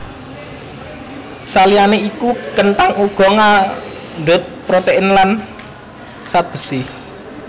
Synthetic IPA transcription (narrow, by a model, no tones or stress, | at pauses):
salianeikukənt̪aŋuɡ̥ɔ̤ŋaɳɖɛ̤t̪̚pɾot̪eʔɪnlan | sat̪̚b̥ə̤sɪh